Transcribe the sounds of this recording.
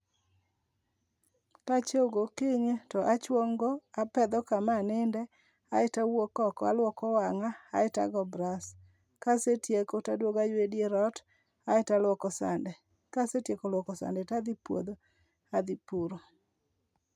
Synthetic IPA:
kat͡ʃoɡokɪɲtɔʔat͡ʃwoŋɡoapɛd̪ɔkamanɪndɛ | aɪtawokɔkɔa̰lwɔkɔwaŋa̰ːɪta̰ɡɔbɾas | kasetjekotadwoɡajwedjeɾɔt | aɪtalwɔkɔsa̰ndɛ | kasetjekɔlwɔkɔsa̰ndɛtad̪ipwo̰d̪o | ad̪ipuɾo

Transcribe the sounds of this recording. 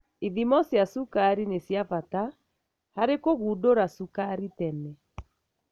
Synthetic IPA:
iðimɔsjasukaɾinesjafata | haɾekoɣudoɾasukaɾitɛnɛ

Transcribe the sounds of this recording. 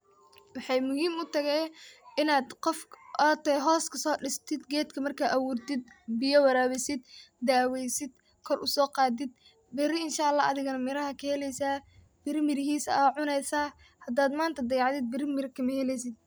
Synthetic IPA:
wɑħɑjmʊhiːmʊt̪ʰɐɣɛjʔɪnaːd̪qɔfɐt̪ɐɦɔːskʰɐsɔːɖɪst̪ʰɪd̪ɡɛːd̪kʰɐmɐrkʰaːʔɐwuːrt̪ɪd̪̚bɪjɐwɐɾaːwɪsɪd̪d̪aːwɛjsɪd̪̚ | kʰɔrʔʊsɔːqɑːd̪ɪd̪ | bɛrɪɪnʃaːlːaːʔɐðɪɣɐnɐmɪɾɐɦɐkʰɐhɛlɛjsaː | b̥ɪɾmɪɾɪɦiːsɐʕʊnɛjsaː | hɐd̪aːd̪maːnt̪ʰɐd̪ɐjɑʕd̪ɪd̪̚bɪrmɪɾkʰɐmɐhɛlɛjs̬ɪd̪̚

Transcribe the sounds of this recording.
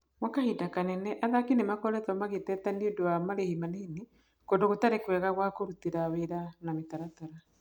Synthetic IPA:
wakahidakanɛnɛʔaðakinemakɔɾɛtɔmaɣetɛtaniodoamaɾehimanehini | kodoɣotaɾekwɛɣaɣwakoɾutiɾaweɾanametaɾataɾa

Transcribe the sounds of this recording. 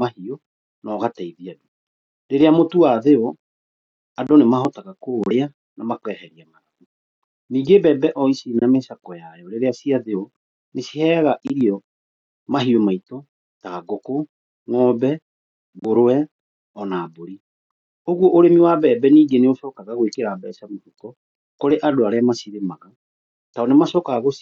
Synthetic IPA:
mahio | nɔɣataiðiadu | ɾeɾeamotuaðeɔ | adɔnemahɔtaɣakoːɾa | namakwɛhɛɾiamaɾaku | niːɡebɛːbɛʔɔisinameʃakɔjajɔɾeɾeasiaðeɔ | nesihɛːɣaʔiɾiɔ | maɦiɔmaitɔ | taːɡoko | ŋɔbɛ | boɾoɛ | ɔnaːboɾi | oɣwɔʔoɾemiwabɛːbɛniːɡeneosɔːkaɣaɣwekeɾabɛsamohukɔ | koɾeʔadoaɾeamasiɾemaɣa | taɔnemaʃɔːkaɣaɣos

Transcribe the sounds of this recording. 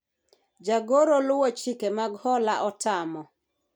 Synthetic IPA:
d͡ʒaɡoɾolʊwot͡ʃikemaɡhɔlaʔɔtʰamɔ

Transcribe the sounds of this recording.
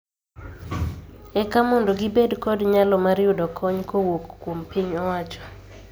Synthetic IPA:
ɛkamɔndoɡɪbedkɔdɲalɔmaɾjʊdɔkʰɔɲkʰowokːwompiɲɔwat͡ʃɔ̥

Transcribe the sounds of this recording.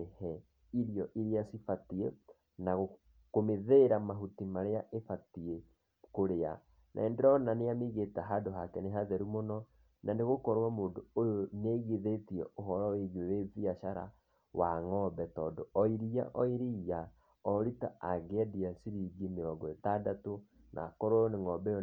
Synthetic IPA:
ehɛ | iɾiɔʔiɾiasifatie | naɣo | komeðeɾamaɦutimaɾeaʔefatie | koɾea̰ | nʔa̰endeɾɔnaneamiɣetaɦadoɦakɛneɦaðɛɾumonɔ | nʔaneɣokɔɾwamoːndoojoneɣiðetiɛʔoɦɔɾaweɣeweviaʃaɾa̰ | waŋɔbɛtɔdɔɔiɾia̰ʔɔiɾija | ɔɾitaaɡɛdiasiɾiɡineɾaɡwɛtadato | nʔa̰kɔɾɔneŋɔbɛjɔ

